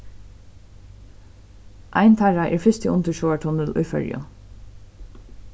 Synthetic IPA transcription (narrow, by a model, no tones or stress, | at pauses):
ʔa̰ɪnt̪ʰaɹaʔɛ̰ːɹfɪst̪əʊnt̪əʃɔːaʈʰʊnəlʔʊjfœ̰ɹjʊ̰